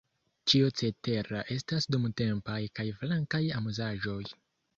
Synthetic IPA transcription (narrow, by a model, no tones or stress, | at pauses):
t͡ʃiot͡se̞te̞ɾaʔe̞stasdumte̞mpajkajflaŋkajamuzaʒo̞j